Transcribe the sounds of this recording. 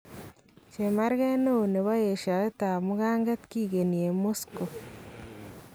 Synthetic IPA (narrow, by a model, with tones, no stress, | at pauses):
t͡ʃe˨ma˦ɾɡɛ˦no˦˨ne˨βa˦je˨ʃa˨e˦t̪a˨mʊ˦ɣa˦ŋɡa˦t̪ki˦˨ɡe˨ni˨e˨mo˦sko˨